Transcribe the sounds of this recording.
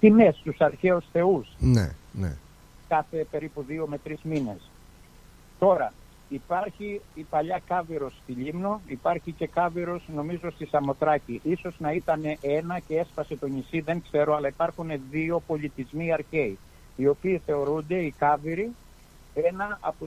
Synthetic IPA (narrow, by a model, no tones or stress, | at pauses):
t̪imest̪usɐɾçe̞usθe̞usnḛnḛ | kɐθe̞pe̞ɾipuðio̞me̞t̪ɾizmine̞̰s | t̪o̞ɾɐ | ipɐɾçiːpɐʎɐkɐviɾo̞sːt̪iʎimno̞ipɐɾçice̞kɐviɾo̞sno̞mizo̞st̪isɐmo̞t̪ɾɐciʔiso̞znɐit̪ɐne̞ʔe̞nɐcee̞spɐse̞t̪o̞nisiðe̞ŋkse̞ɾo̞ɐlɐipɐɾxune̞ðio̞po̞ʎit̪izmiɐɾçe̞i | io̞piːθe̞o̞ɾund̪e̞ikɐviɾi | e̞nɐʔɐ̰po